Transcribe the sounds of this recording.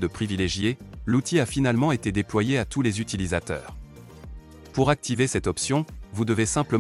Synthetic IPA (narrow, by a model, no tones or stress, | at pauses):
d̪əpχivileʒjelut̪ʰiafinalmɑ̃et̪ed̪eplwajeat̪ulezyt̪ilizat̪œ̰ːʁ | puʁak̚t̪ivesɛt̪ɔpsjɔ̃vud̪əvesɛ̃plə